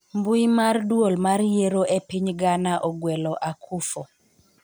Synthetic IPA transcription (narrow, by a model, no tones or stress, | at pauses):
mbuimardwolmarjeɾoʔepiɲɡanaʔɔɡwɛlɔʔakʰufo